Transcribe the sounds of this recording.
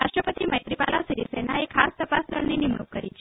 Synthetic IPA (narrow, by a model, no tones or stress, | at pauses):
aʂʈɾəpət̪iməjt̪ɾipalasiɾisenaekʰast̪əpast̪əɭninimɳṵkːəɾḭt͡ʃʰ